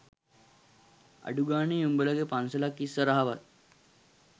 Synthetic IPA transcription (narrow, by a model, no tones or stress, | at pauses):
a̰ɖuɡaːneumbələɡepansəlakːisːəɾaɦaʋat̪̚